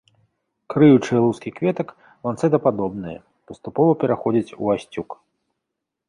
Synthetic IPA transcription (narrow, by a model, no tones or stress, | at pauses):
kɾɨjut͡ʂɨjɛlˠuskʲikvʲɛt̪ɐk | vant̪sɛd̪ɐpad̪ɔbnɨjɐ̰ | pɐst̪upɔvɐpʲɛɾaxɔd͡zʲit͡sʲṵasʲt͡sʲuk